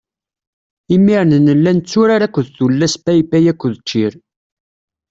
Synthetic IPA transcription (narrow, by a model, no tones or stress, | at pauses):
imːiɾnənəlːænt͡sːuɾaɾækʷːəðθulːæspæjbæjækʷːðt͡ʃːiɾ